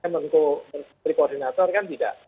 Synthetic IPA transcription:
amənkomər | ɾikordinat̪ɔrkant̪ida̰ʔ

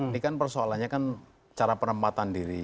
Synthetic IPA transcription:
nikanpərsoalanɲakan | t͡ʃaɾapənəmpat̪andiɾi

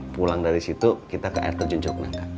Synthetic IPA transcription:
pulaŋdaɾisit̪ukit̪akəʔa̰ɪrt̪ərd͡ʒuɲt͡ʃʊkna̰ŋka

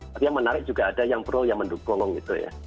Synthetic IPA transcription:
t̪apijaŋmənaɾɪk̚d͡ʒ̥uɡaːdajaŋpɾʊljaŋməndukʊŋŋɡit̪uja̰

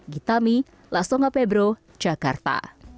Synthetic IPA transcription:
ɡit̪ami | lasɔŋapɛbɾo | d͡ʒakart̪a̰

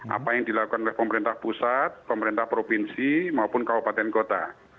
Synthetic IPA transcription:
ʔa̰pajaŋd̪ilakukanolɪhpəməɾint̪ahpusat̪̚pəməɾint̪ahpɾopinsimaupʊnkaɦupat̪ɛnkot̪a

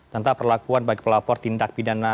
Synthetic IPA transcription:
t̪ənt̪apərlakuanbaɡipəlapɔrt̪indak̚pidana

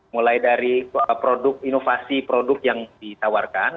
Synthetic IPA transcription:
mulajdaɾipɾodʊk̚inofasipɾodʊk̚jaŋdit̪awarkan

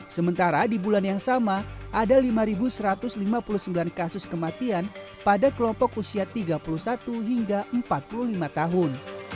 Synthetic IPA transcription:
səmənt̪aɾadibulanjaŋsamaʔadalimaɾibusəɾat̪ʊslimapuluhsəmbilankasʊskəmat̪ian | padakəlɔmpɔkusiat̪iɡapulusat̪uɦiŋɡaʔəmpat̪̚puluhlimat̪aɦʊn

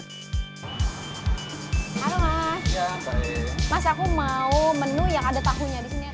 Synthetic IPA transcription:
kaɾoŋajatamasakumaumənujaŋadat̪aɦuɲadisini

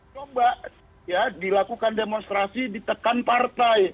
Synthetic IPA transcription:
t͡ʃobaʔ | jadilakukandemonst̪ɾasidit̪əkanpart̪aj

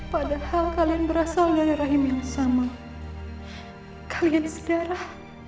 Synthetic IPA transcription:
padahalkalianbəɾasaldaɾiɾaɦimjaŋsama | kʰḁliansədaɾah

